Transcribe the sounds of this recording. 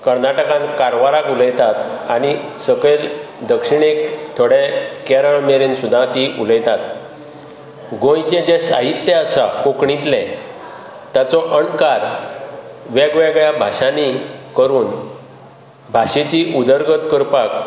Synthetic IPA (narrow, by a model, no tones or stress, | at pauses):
kəɾnaʈəkãnkaɾʋaɾakuləjt̪at̪aɽ̃isəɡɭeld̪əkʂiɳ̃ekt̪ʰoɽekɛɾəɭmeɾensud̪ʱːãt̪iʔuləjt̪at̪̚ | ɡõjt͡ɕed͡ʑesa̰ɦit̪jeəsakokɳit̪lɛ̃ | t̪jat͡sɔʔəɳkaɾ | ʋɛɡʋɛɡɭjabʱaɕanikəɾuːn | bʱaɕet͡ɕiʔud̪əɾɡət̪kəɾpak